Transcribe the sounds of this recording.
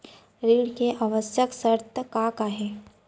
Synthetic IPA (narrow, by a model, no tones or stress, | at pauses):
ɾiːɽkeʔaʋəsjəksəɾt̪əkakaɦɛː